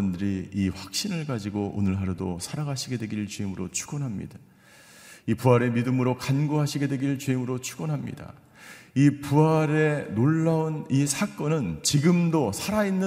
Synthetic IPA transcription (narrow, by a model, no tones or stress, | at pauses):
ʌndɯɾiːɸwak̚ɕ͈inɯɭɡad͡ʑiɡoʔo̰nɯɭɦaɾɯdo̰sʰaɾaɡaɕʰiɡe̞dwe̞ɡiɭt͡ɕeimɯɾot͡ɕʰuɡʌnɦamɲḭda | ipuaɾe̞midɯmɯɾokanɡoɦaɕʰiɡe̞dwe̞ɡiɭt͡ɕeimɯɾot͡ɕʰu̥ɡʌnɦamɲḭda̰ | ipuaɾe̞noɭːaunisʰak͈ʌnɯnt͡ɕiɡɯmdosʰaɾainːɯ